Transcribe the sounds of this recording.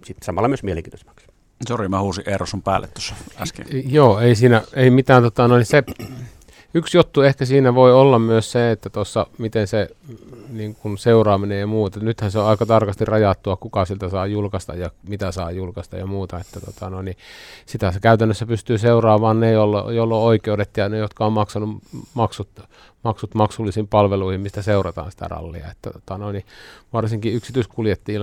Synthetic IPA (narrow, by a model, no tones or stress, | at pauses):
sit̪sɑmɑlːɑmyøsmieleŋkiːt̪ose̥mːɑks | sorimæhuːsiʔʔerosumpæ̰ːlːḛt̪t̪ːo̥sːɑæ̰skḛjoːeˑisiːnæeˑimit̪æːnt̪ot̪ɑnoˑinise | yksjot̪ːuehkæsiːnæʋoiolːɑmmyøsseet̪ːæt̪osːɑmit̪ense | niːŋkunseurɑːminejjɑmuːt̪enyt̪hænseoɑˑikɑt̪ɑrkɑst̪irrɑjɑt̪ːuɑkukɑsielt̪æsɑːjulkɑst̪ɑ̰jjɑmit̪æsɑːjulkɑst̪ɑ̰jɑmuːt̪ɑet̪ːæt̪o̰t̪ɑnoˑinnisit̪æsekæyt̪ænːøsːæpyst̪yːseurɑːʋɑːnnejolːjolːooikeudet̪jɑnejot̪kɑommɑksɑnumɑksut̪ | mɑksut̪mɑksulːisiːmpɑlʋeluihimmist̪æseurɑt̪ɑ̰ːnsi̥t̪æ̰rɑ̰lːḭɑ̰et̪ːæt̪o̥t̪ɑnoiniʋɑrsiŋkiyksit̪yiskuljet̪ːiː